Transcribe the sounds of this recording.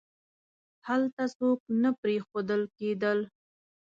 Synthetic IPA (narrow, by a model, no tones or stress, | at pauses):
halt̪asok̚napɾexod̪əlked̪əl